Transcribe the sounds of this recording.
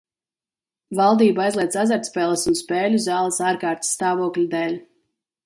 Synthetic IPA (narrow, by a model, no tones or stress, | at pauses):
valˠd̪iːbajzlˠiɛd̪sazaɾt̪spʲɛːlˠəsunspɛːlʲuzaːlˠɨsaːɾkaːɾt̪sːt̪aːvuɔklʲud̪ɛːlʲ